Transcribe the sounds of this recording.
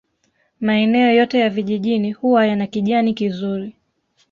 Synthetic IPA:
maɛnɛɔjɔtɛjaviʄiʄinihuwajanakiʄanikizuɾi

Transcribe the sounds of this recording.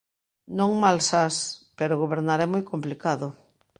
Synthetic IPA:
nõŋmalsaspeɾoɣoβeɾnaɾɛmojkomplikaðʊ

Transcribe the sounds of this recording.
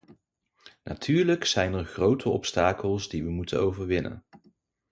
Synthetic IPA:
nʔatʰyːɹləksɛjnɛɹχrowtʰəɔpstaːkəlˠzdiʋəmutənowvəɹʋɪnə̰n

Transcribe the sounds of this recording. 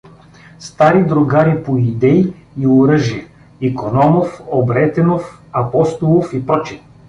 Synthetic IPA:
st̪aɾid̪ɾʊɡaɾipojid̪ɛi | ioɾɤʒiə | ikonɔmofobɾɛt̪ɛnofɐpɔst̪olˠofipɾɔt͡ʃi

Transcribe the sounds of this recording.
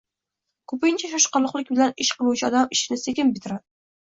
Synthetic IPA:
kʰɵpɪnt͡ʃʰaʃɒʃqɑɾlˠɨqlˠɪkʲbɪlanɪʃqʰɨlˠuwt͡ʃʰaɒd̪amɪʃɪnɪsekʲɪmbɪt̪ʰɪɾad̪ɪ

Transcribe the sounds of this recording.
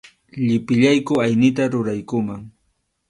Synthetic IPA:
ʎɪpɪʎajkʊajnɪt̪aɾʊɾajkʊmaŋ

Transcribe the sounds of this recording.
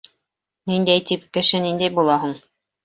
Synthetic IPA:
nind̪æjt̪ip̚kɘ̆ʃɘnind̪æjbulˠɑɦuɴ

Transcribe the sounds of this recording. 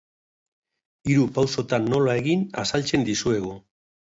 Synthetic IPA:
iɾupawso̞t̪anːo̞lae̞ɣina̰salt͡se̞nd̪isue̞ɣ̞o

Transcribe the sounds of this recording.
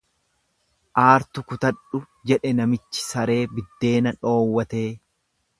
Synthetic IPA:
ʔaːɾt̪ʊkʊt̪ɐᶑʊ | d͡ʒɛᶑɛnɐmɪt͡ʃːɪ̥sɐɾe̞ːbɪd̪ːe̞ːnɐᶑo̞ːwːɐt̪e̞ː

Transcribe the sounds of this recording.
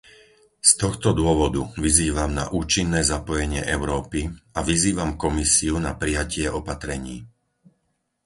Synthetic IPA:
st̪ɔxt̪ɔd̪ʊɔʋɔd̪uʋiziːʋamna̰ʔuːt͡ʃinːɛːzapɔjɛɲɪɛʔɛʊɾɔːpiaʋiziːʋamkɔmisiunapɾijacɪɛɔpat̪ɾɛɲiː

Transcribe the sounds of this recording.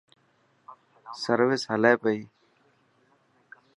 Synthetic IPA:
səɾʋɪsɦəleːpəiː

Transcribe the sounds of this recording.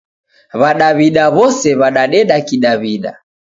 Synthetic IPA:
βaɗaβiɗaβɔsɛβaɗaɗɛɗakiɗaβiɗa̰

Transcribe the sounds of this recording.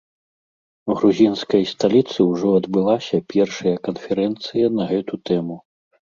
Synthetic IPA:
ɣɾuzʲinskɐjst̪alʲit̪sɨwʐɔɐd̪bɨlˠasʲɐpʲɛrʂɐjɐkɐnfʲɛɾɛnt̪sɨjɐnɐɣɛt̪ut̪ɛmu

